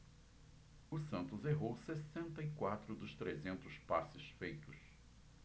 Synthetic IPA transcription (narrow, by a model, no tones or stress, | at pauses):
ʊsɐ̃nt̪ʊzeɦowsesẽnt̪ɐikwat̪ɾʊd̪ʊst̪ɾezẽnt̪ʊspasɪsfejt̪ʊs